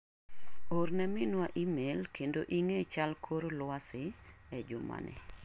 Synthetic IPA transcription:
oɾnɛmɪnwaʔimelkʰendoʔiŋet͡ʃalkʰoɾlwasɪɛd͡ʒʊma̰nʔɛ̰

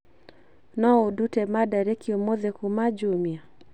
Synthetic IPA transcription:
nɔodutemadaɾekʰiomoðekumad͡ʒomja

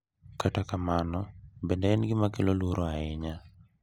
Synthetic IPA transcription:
katakamanɔbɛndɛɛnɡɪmakelolwuɾʔoaɪɲa

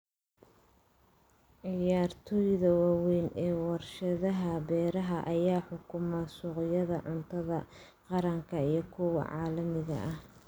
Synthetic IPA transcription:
ʕɪjaːrt̪ʰɔːjðɐwɑːwɛjnɛːwɑrʃɐðɐɦɐbɛːɾɐɦɐʔɐjaːħʊkʰʊmasʊːqjɐðɐʕʊnt̪ʰɐðɐ | qɑɾɐŋkʰɐijɞkʰʊwɑ̰ʕɑːlɐmɪɣɐ̰ʔɐh

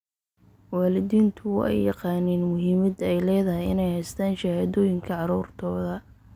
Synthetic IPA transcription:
wɑːlɪðiːnt̪ʰʊw̰ʔɛ̰jːɑqɑːnɛːnmʊɦiːmɐd̪ɛjlɛːðɐɦɪjɪ̰nɛjhɛjst̪ʰaːnʃɐhaːðɔːjɪŋkʰɐʕɑɾuːrt̪ʰɔːðɐ

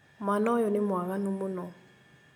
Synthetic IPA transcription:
manɔjɔnɪmʊakanʊmʊnɔ

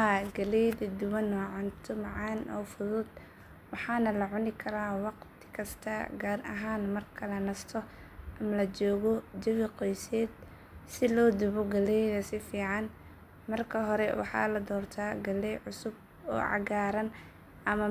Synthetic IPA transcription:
aɡɐlɛjðɐd̪ʊwɐnɔʕʊnt̪ʰʊmɑʕɑːnʔɔ̰ːfʊðʊd̪ | wɑħɑːnɐlɐʕʊnɪkʰɐɾaːwɑqt̪ʰɪ̥kʰɐst̪ʰɐ̰ɡaːɾʔɐ̰ɦaːnmɐrkʰɐlɐnɐst̪ʰɔ | ʔɐmɐlɐt͡ʃɔːɣɔd͡ʒɐβɪqɔjsɛːd̪ | sɪlɔːd̪ʊβʊɡɐlɛjðɐsɪfiːʕɑn | mɐrkʰɐɦɔɾɛwɑ̰ħɑ̰ːlɐd̪ɔːrt̪ʰaːɡɐlɛjʕʊsʊb̚ | ɔ̰ːʕɑ̰ɡaːɾɐn | ʔɐmɐ

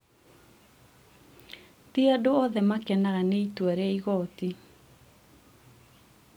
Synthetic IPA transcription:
tiadoɔðɛmakɛnaɣaneitwaɾɛiɣɔti

